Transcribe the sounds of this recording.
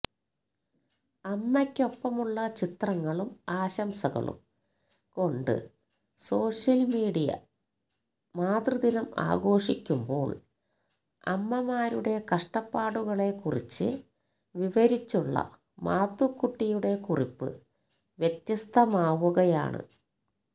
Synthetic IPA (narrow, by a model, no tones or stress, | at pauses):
ɐmːɐkʲːo̞pːɐmuɭːɐt͡ɕit̪rɐŋːɐɭumaːɕɐmsɐɣɐ̰ɭṵm | ko̞ɳɖɨ̰ | so̞ːʂjɐlmiːɽijɐ̰ | maːd̪rɨd̪inɐma̰ːɡo̞ːʂikʲːumbo̞̰ːɭ | ɐ̰mːɐmaːɾuɽe̞kɐʂʈɐpːaːɽuɣɐɭe̞kurit͡ɕːɨ̰ | ʋiʋɐɾit͡ɕːuɭːɐ̰ | maːt̪ːukːuʈːijuɽe̞kuripːɨ̰ | ʋjet̪jɐst̪ʰɐmaːʋuɣɐja̰ːɳɨ̰